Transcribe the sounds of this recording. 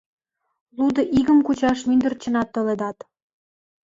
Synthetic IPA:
lud̪ɤ̆ʔiɣə̆mkut͡ɕɑʃmynd̪ə̆rt͡ɕə̆nɑt̪ːŏled̪ɑt̪

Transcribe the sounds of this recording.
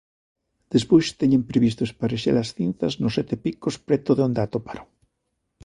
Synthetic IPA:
d̪̥espojst̪eɲempɾeβist̪oespaɾeʃḛɾasθinθaznosːet̪epikospɾet̪oðeond̪at̪opaɾo

